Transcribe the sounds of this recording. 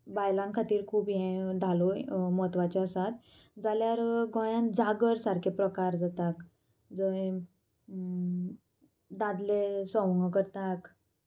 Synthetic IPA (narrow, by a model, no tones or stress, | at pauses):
bajlãŋkʰat̪iːɾkʰuːbɦẽd̪ʱalomɔt̪ʋat͡ɕɔəsat̪ | d͡zaljaɾɡɔ̃jãnd͡zaɡəɾsaɾkʰepɾəkaɾd͡zat̪ak | d͡zəe | d̪ad̪lesɔ̃ʋŋɡkəɾt̪ak